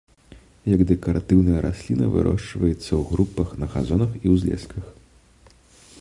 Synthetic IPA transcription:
jɐɡd̪ɛkɐɾat̪ɨwnɐjɐɾʔasʲlʲinɐvɨ̰ɾɔ̰ʂt͡ʂvɐjɛt̪sːɐwɣɾupːɐxnɐɣa̰zɔnɐxiwzʲlʲɛ̰skʰɐx

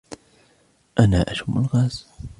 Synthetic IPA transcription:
ʔanaːʔaʃʊmːʊlɣaːz

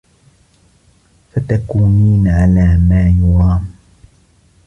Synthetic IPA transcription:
fat̪akuːniːnʕalaːmaːjʊɾɑːm

